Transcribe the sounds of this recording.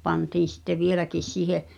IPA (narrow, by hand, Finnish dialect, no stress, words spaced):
pɑntiːn̞ sitːe ʋielækis siːhe